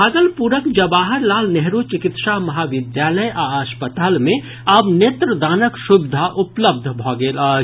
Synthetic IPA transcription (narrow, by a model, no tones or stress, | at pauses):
aːɡəlpuɾəkd͡ʒɐbaːɦəɾlaːlnɛɦɾut͡ʃɪkɪt̪ʃaɦmɐɦaːʋɪd̪jaːləjʔaaːspət̪aːlmẽ | abneːt̪ɾəd̪aːnəkʃʊbɪd̪ʱaʔʊpləb̚d̪ʱbʱɔːɡeːlaː